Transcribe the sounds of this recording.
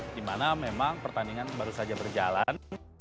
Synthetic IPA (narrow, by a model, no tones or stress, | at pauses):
dimanamemaŋpərt̪aniŋanbaɾusad͡ʒabərd͡ʒalan